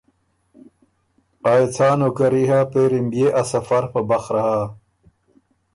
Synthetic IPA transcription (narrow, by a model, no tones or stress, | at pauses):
aet͡sʰaːnokɐɾiɦaːpeɾimbjeʔɐsɐfɐɾpɐbɐxɾɐɦaː